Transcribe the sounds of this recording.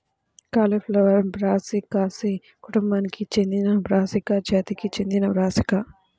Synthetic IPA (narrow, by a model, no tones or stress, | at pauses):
kaːleːflɐʋɐɾbɾaːsikaːsi | kuʈumbaːnikit͡ʃend̪inɐbɾaːsikɐd͡ʒaːt̪ikit͡ʃend̪inɐʋɾaːsikɐ